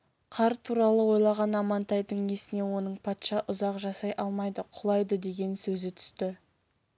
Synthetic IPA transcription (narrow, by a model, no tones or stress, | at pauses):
qʰɑɾt̪ʰuɾɑlˠəwo̞jlˠɑʁɑnɑmɑnt̪ɑjd̪əɴe̞sɪne̞wo̞nəɴpʰɑt̪ʃɑʔʊzɑqʒɑsɑjʔɑlˠmɑjd̪əqʰʊlˠɑjd̪əd̪e̞ɡʲe̞nsɵzɪt̪ʰʏ̥st̪ɪ